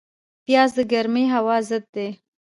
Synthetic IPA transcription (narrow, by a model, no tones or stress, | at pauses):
pjɑzd̪əɡaɾmeɦawɑzəd̪̚d̪e